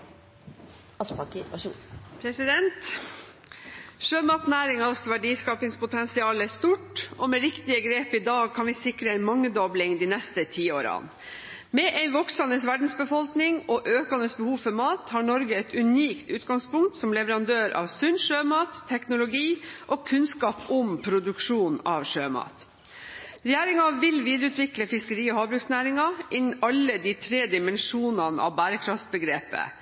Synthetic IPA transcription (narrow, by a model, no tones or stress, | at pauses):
pʰɾɛsɪd̪ɛnt̪ | ʃøːmɑːt̪næːɾɪŋɑsʋæɖiːskɑːpɪŋspʊt̪ʰɛnsɪɑːləæʂt̪uːʈɔmɛɾɪkt̪ɪəɡɾeːpɪd̪ɑːɡ̚kʰɑnʋɪsɪkɾəɛɪnmɑŋːəd̪ɔblɪŋd̪iːnɛst̪ət̪ʰiːo̰ːɾɑ̰n | mɛʔɛɪnʋɔksɑnəsʋæɖn̩sbəfɔlknɪŋɔʔøːkɑnəsbəhuːfɔɾmɑːt̪hɑːɳɔɾɡəɛt̪ʉniːkt̪ʉːt̪̚ɡɑŋspʊŋkt̪sɔmlɛʋəɾɑnd̪øːɾʔɑ̰ːʋsʉnʂøːmɑːt̪ʰːɛknʊlʊɡiːʔɔkʰʉnskɑːpɔmpʰɾʊd̪ʉkʂuːnɑʋʂøːmɑ̰ːt̪ | ɾɛjæːɾɪŋɑʋɪlʋiːd̪əɾʉːt̪ʋɪkləfɪskəɾiːɔhɑːbɾʉksnæːɾɪŋɑʔɪnɑlːəd̪iːt̪ʰɾeːd̪ɪmɛnʂuːnɑnə̰ʔɑ̰ʋbæːɾəkʰɾɑft̪bəɡɾeːpə̰